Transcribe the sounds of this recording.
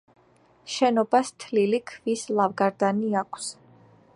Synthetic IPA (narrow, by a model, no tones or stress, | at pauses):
ʃɛnɔbast̪ʰlilikʰvislˠavɡaɾd̪aniakʰs